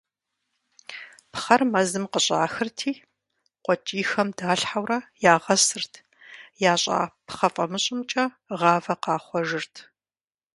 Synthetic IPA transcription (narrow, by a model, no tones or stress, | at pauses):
pχɐrmɐzɨmqəɕʼa̰ːxɨrtʰiː | qʷɔt͡ʃʼiːxɐmdaːɬħawrɐjaːʁɐsɨrtʰ | jaːɕʼa̰ːpχɐfʼɐmɨɕʼɪmt͡ʃʼɐ | ʁɑːvɐqɑːχʷɔʒɨrtʰ